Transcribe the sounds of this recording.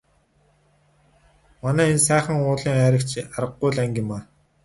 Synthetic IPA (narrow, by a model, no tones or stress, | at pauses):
manæːensæːχə̆ŋʊːɮiːŋæːɾʲə̆kt͡ɕaɾə̆ɡːʊjɮæŋɡʲɪ̆maː